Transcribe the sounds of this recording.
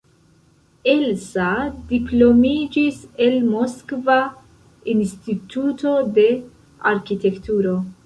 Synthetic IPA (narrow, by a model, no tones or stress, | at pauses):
elsadiplo̞mid͡ʒise̞lmoskva | instituto̞de̞ | aɾkite̞ktuɾo̞